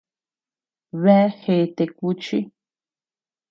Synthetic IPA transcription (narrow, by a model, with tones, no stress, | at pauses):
βe˦˧e˦xe˨˧t̪e˧ku˧t͡ʃi˦